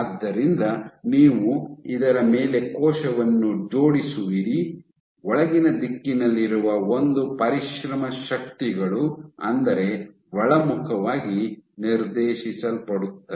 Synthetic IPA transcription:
ad̪ːɐɾind̪ɐniːʋuid̪ɐɾɐmeːle̞kɔːʃɐʋɐnːud͡ʒo̞ːɽisuʋiɾi | ɔɭɐɡinɐd̪ikːinɐlːiɾuʋɐo̞nd̪upɐɾiʃɾɐmɐʃɐk̚t̪iɡɐɭuɐ̰nd̪ɐɾe̞ | ʋɐɭɐmukʰɐʋaːɡiniɾd̪eːʃisɐlpɐɽut̪ːɐ

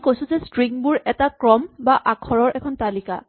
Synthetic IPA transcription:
kojsʊ̃zɛstɹiŋbuɹɛtakɹɔmbaʔakʰɔɹɔɹɛkʰɔntalika̰

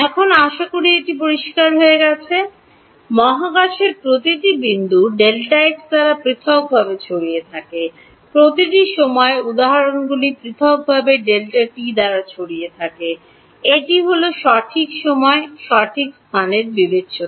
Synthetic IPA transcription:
ɛkʰonaʃakuɽieʈipoɾiʃkaɾɦoeɡɛt͡ɕʰe | mɔɦaɡaʃeɾpɾot̪iʈibind̪uɖelʈaeʈd̪aɾapɾit̪ʰɔk̚bʱabet͡ɕʰoɽijet̪ʰake | pɾot̪iʈiʃɔmɔeud̪aɦaɾonɡulipɾit̪ʰɔk̚bʱabeɖelʈaʈid̪aɾat͡ɕʰoɽiet̪ʰake | eʈiɦoloʃɔʈʰikʃɔmɔeʃɔʈʰikst̪ʰaneɾbibetːɕoa

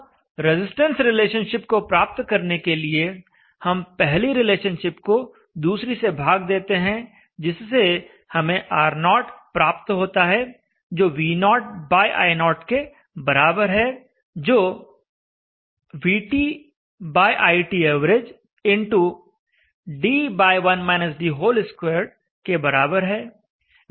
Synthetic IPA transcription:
ɾɪzɪsʈə̃nsɾɪleːʃənʃɪp̚kopɾaːp̚t̪kɐɾnekelie | hɐmpɛɦliɾɪleːʃənʃɪpko | d̪uːsɾisebʱaːɡ̚d̪eːt̪eɦɛ̃ | d͡ʒɪsːe | hɐmẽʔaːɾnɔːʈpɾaːp̚t̪ɦoːt̪aɦɛ | d͡ʒoːʋiːnɔːʈ̚baːjʔa̰ːɪnɔːʈke | bɐɾaːbəɾɦɛ | d͡ʒoː | ʋiːʈiː | baːjʔaːiʈiɛːʋɾed͡ʒ | ɪ̃ɳʈu | ɖiːbaːɪʋɐnmɛːnɪsɖiɦoːlɪskweːɾɖ | kebɐɾaːbəɾɦɛː

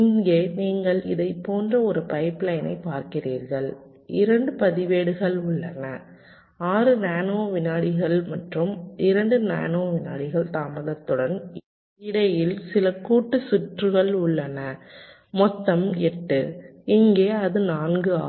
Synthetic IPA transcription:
ɪŋɡeːniːŋɡɐɭɪ̰ðɐɪpːoːndrɐɔɾɯpɐɪplɐɪnɐ̰ɪpaːɾkɪriːɾɣɐɭ | ɪɾɐɳɖɯpɐðɪʋeːɽɯɣɐɭʊɭːɐnɐ | aːɾɯnaːnoːʋɪnaːɽɪɣɐɭmɐʈrɯmɪɾɐɳɖɯna̰ːnoːʋɪna̰ːɽɪɣɐɭt̪aːmɐðɐt̪ːɯɽɐn | ɪɽɐjɪlsɪlɐkːuːʈːɯsɪʈrɯɣɐɭʊɭːɐnɐ | mɔt̪ːɐmɛʈːɯɪŋɡeːɐðɯnaːnɡɯa̰ː

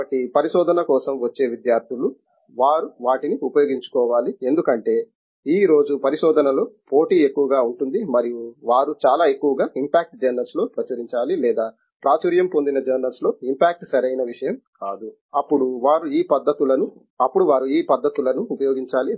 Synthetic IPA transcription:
ɐʈːipɐɾiʃɔːd̪ʱɐnɐkɔːsɐmʋɐt͡ʃːe̞ːʋid̪jaːɾt̪ʰilu | ʋaːɾuʋaːʈiniupɐjoːɡiɲt͡ʃu̥kɔːʋaːlie̞nd̪ukɐɳʈe̞ː | iːɾo̞ːd͡ʒupɐɾiʃɔːd̪ʱɐnɐlo̞ːpo̞ːʈiːe̞kːuʋɐɡaːuɳʈund̪imɐɾijuʋaːɾut͡ʃaːlaːe̞kːuʋɐɡaːʔimpaːk̚ʈd͡ʒɐːnɐlslo̞ːpɾɐt͡ʃɐɾiɲt͡ʃaːlilɛːd̪aː | pɾaːt͡ʃuɾjɐmpo̞nd̪inɐd͡ʒɐːnɐlslo̞ːimpaːk̚ʈsɐɾɐjnɐʋiʂɐjɐmkaːd̪u | ɐpːuɽuʋaːɾuiːpɐd̪ːɐt̪ulɐnu | ɐpːuɽuʋaːɾuiːpɐd̪ːɐt̪ulɐnuːpɐjoːɡiɲt͡ʃaːli

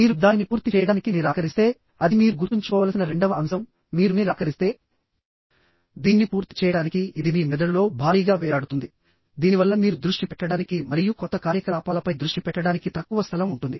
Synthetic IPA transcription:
miːɾud̪aːninipuːɾt̪it͡ʃɛːjɐɽaːnikimiːɾaːkɐɾist̪e̞ː | ɐd̪imiːɾuɡuɾt̪uɲt͡ʃukɔːʋaːlsinɐɾe̞ɳɖɐʋɐɐmsɐmː | iːɾuniɾaːkɐɾist̪e̞ː | d̪iːnːipuːɾt̪i̥t͡ʃɛːjɐɽaːnikiid̪imiːmɛd̪ɐlulo̞ːbʱaːɾiːɡaːʋɛːjaːɽut̪und̪i | d̪iːniʋɐlːɐmiːɾud̪ɾuʂʈipɛʈːɐɽaːnikimɐɾijukɔt̪ːɐkaːɾjɐkɐaːpaːlɐpɐjd̪ɾuʂʈipɛʈːɐɽaːnikit̪ɐkːuʋɐst̪ʰɐlɐmuɳʈund̪i

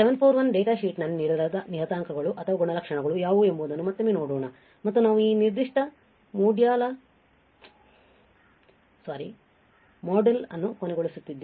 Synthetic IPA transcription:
seʋɐnpʰoːɾʋɐnɖeːʈaːʃiːʈnɐlːiniːɽuɾaːd̪ɐniɦɐt̪aːŋkɐɡɐɭuʔɐt̪ʰɐʋɐɡɔɳɐlɐkʂɐɳɐɡɐɭujaːʋuːe̞mbuːd̪ɐnːumɐt̪ːɐme̞ːnoːɽuːɳɐ | mɐt̪ːunaːʋuiːniɾd̪iʂʈɐ | muːɖjaːlɐ | saːɾi | mɔːɖelɐ̰nːukonɛɡoɭisut̪ːid̪ːe

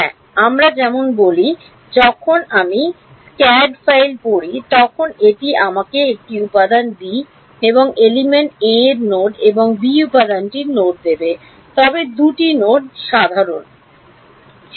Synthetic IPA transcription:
ɛ̰ | amɾad͡ʑɛmonboli | d͡ʑɔkʰonami | skɛɖfajlpoɾit̪ɔkʰoneʈiamakeek̚ʈiupad̪anbi | eboŋelimeɳʈeɾnoɖeboŋbiupad̪anʈiɾnoʈ̚d̪ebe | t̪ɔbed̪uʈinoɖ̚ʃad̪ʱaɾon

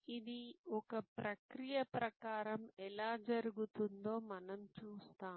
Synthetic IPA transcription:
id̪iɔkɐpɾɐkɾijɐpɾɐkaːɾɐmɛlaːd͡ʒɐɾuɡut̪und̪o̞ːmɐnɐmt͡ʃuːst̪aːm

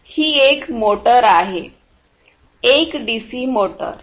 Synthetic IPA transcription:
hiːekmoʈəɾaɦe | ekɖisimoʈə̰ɾ

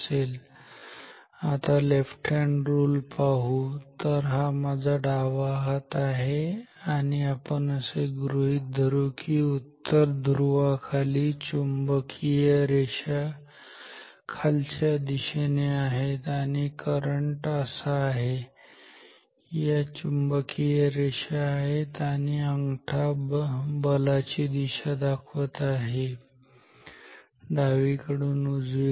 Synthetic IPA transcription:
el | at̪alefʈɾẽɳɖɾuːlpaɦut̪əɾɦamad͡zʱaɖaʋaɦat̪aɦeaniapəɳəseɡɾuɦit̪̚d̪ʱəɾukʰiut̪ːəɾd̪ʱɾuʋakʰalit͡ɕumbəkʰijəɾeɕa | kʰalt͡ɕjad̪iɕeneaɦet̪aɽ̃ikəɾəɳʈəsaːɦe | jat͡ɕumbəkʰijəɾeɕaːɦet̪aɽ̃iəŋɡʈʰabbəlat͡ɕid̪iɕad̪akʰʋət̪aɦe | d̪aʋikəɽuːnud͡zi

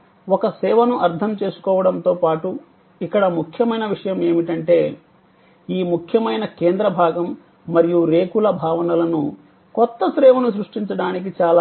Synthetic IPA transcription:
ɔkɐsɛːʋɐnuʔɐɾt̪ʰɐmt͡ʃe̞ːsu̥kɔːʋɐɽɐnt̪o̞ːpaːʈu | ikːɐɽɐmukʰjɐmɐjnɐʋiʂɐjɐme̞ːmiʈɐɳʈe̞ː | iːmukʰjɐmɐjnɐkeːnd̪ɾɐbʱaːɡɐmː | ɐɾijuɾe̞ːkulɐbʱaːʋɐnɐlɐnu | kɔt̪ːɐsɾɛːʋɐnusɾuʂʈiɲt͡ʃɐɽaːnik̬it͡ʃaːla

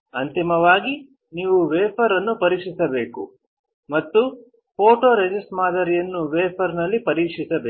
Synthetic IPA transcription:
ɐnt̪imɐʋaːɡi | niːʋuʋeːpʰɐɾɐnːupɐɾiːkʂisɐbeːkṵ | mɐt̪ːu | poːʈoːɾed͡ʒisʈmaːd̪ɐɾijɐnːuʋeːpʰɐɾnɐlːipɐɾiːkʂisɐbeː

